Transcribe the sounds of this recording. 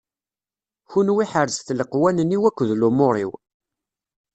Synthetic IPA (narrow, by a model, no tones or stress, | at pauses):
çunwiħəɾzθləqwænənːiwækʷːðlumʊɾˤiw